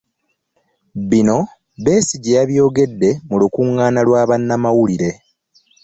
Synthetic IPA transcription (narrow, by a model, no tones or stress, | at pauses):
βino̞ | βe̞ːsiɟejaβjo̞ːɡe̞dːe̞mulukuŋːaːnalwaːβanːamawuliɾe̞